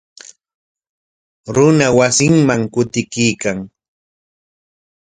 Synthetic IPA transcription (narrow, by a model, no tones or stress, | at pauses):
ɾʊnawasɪŋmaŋkʊt̪ɪkijkaŋ